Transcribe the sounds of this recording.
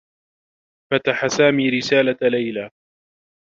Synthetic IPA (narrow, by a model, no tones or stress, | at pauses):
fat̪aħasaːmiːɾɪsaːlalajlaː